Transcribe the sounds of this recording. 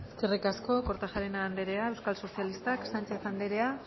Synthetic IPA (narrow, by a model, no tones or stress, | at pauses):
skerikasko̞ko̞ɾt̪aʝaɾenaːnd̪e̞ɾe̞ae̞wskalso̞sialist̪aksant͡ʃe̞θand̪e̞ɾe̞a